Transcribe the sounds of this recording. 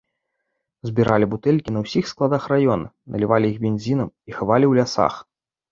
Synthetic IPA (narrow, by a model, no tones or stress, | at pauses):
zʲbʲiɾalʲibut̪ɛlʲkʲinɐwsʲixsklˠad̪axrajɔnɐ̰ | nɐ̰lʲivalʲiiɣbʲenʲzʲinɐmixavalʲiwlʲasa̰x